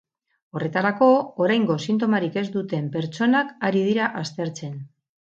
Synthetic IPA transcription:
o̞re̞t̪aɾako̞ːɾajŋɡo̞sint̪̬o̞maɾike̞zd̪ut̪e̞mpe̞ɾt͡ʃo̞nakaɾið̞iɾaʔast̪e̞ɾt͡se̞n

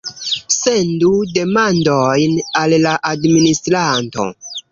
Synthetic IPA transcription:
se̞ndude̞mandojnalːaʔadministɾanto̞̰

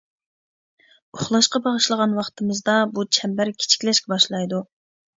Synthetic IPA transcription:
ʊχlˠɑʃqɑbɑʁəʃlˠəʁɑnwɑχt̪ʰɨmɨzd̪ɑbut͡ʃʰɛmbæɾkʲʰe̥t͡ʃʰi̥kʲlɛʃkʲɛbɑʃlˠɑjd̪u

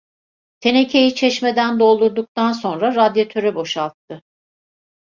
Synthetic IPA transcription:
t̪ʰe̞ne̞cʰe̞jit͡ʃʰɛʃme̞d̪ænd̪o̞lˠd̪uɾd̪uk̚t̪anso̞nɾaɾad̪jat̪ʰøɾɛbo̞ʃalˠt̪ʰːɯ

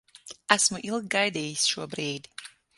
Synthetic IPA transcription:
æsmuʔil̚ˠɡajd̪eːjsʃuɔbɾeːd̪i

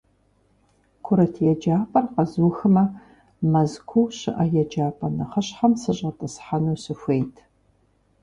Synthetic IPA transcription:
kʷʰʊɾɐtʰjɛd͡ʒaːpʼɐrqɐzuːxɨmɐ | mɐzkʷʰuɕɪʔɐjɛd͡ʒaːpʼɐnɐχəɕħamsɨɕʼɐtʼɐsħanuːsɨfʷejtʰ

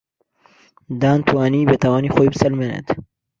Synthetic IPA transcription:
d̪aːnt̪ʰuaːniːbet̪ʰɐwaːnixojbsɐlmenḛd̪

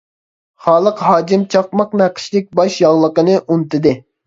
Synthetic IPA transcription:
χɑːlˠəqɦɑːkimt͡ʃʰɑp̚mɑqnæqʰə̥ʃlɪk̚ʲbɑʃjɑʁlˠəqənɨʔunt̪ɨd̪ɨ

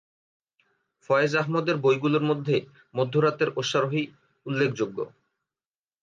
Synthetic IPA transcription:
fɔeed͡ʑaɦmod̪eɾbojɡuloɾmod̪ʱːe | mod̪ʱːoɾat̪eɾoʃːaɾoɦi | ulːekʰd͡ʑoɡːo̰

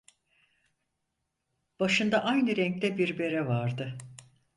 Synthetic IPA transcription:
b̥aʃɯnd̪aʔajnɯɾɛŋc̚t̪ɛbiɾbe̞ɾɛvaɾd̪ɯ

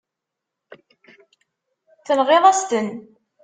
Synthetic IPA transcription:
θənʁeðˤæst̪ən

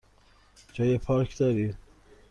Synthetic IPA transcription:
d͡ʒɒːjepʰɒːɾkʰd̪ɒːɾiː

